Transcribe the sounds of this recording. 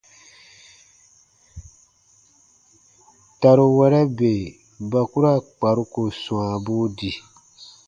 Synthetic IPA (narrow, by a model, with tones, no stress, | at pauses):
ta˨ɾo˨wɛ˦ɾɛ˦be˨ | ba˨ku˦ɾa˦˨k͡pa˨ɾu˦ko˨sũ˨ã˨bu˦di˨